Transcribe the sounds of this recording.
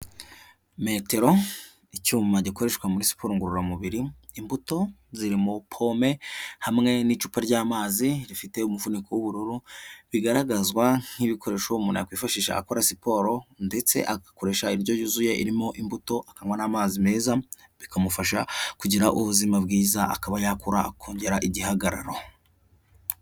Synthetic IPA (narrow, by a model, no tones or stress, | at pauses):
me̞te̞ɾo̞ | icuːmaɟako̞ɾe̞ʃkwamuɾisi̥po̞ːɾoŋɡuɾuɾamuβiɾiː | mbuto̞ziɾimopʰo̞me̞hamŋe̞nit͡ʃuːpaɾɟaːmaːziɾifite̞umuvunikowuβuɾuɾuβiɡaɾaɡazɡwaŋ̥hiβikʰo̞ɾe̞ːʃoumuːna̰ja̰kwiːfaʃiːʃa̰ːkoɾasipo̞ɾo̞nde̞t͡se̞̰ʔakako̞ɾe̞ʃaiɾɟo̞ɟuzuje̞ʔḭɾimo̞ʔimbuto̞ʔakaŋwanaːmaːzime̞ːzaβikamufaʃakuɟiɾaʔuβuzimab̚ɡiːzaʔa̰kaβajakuɾaːkʰoːɲɟe̞ɾaʔiɟiɦaɡaɾaɾo̞